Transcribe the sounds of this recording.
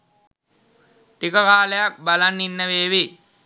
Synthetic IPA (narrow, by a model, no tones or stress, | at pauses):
ʈikəkaːləjak̚balanːinːəʋeːʋi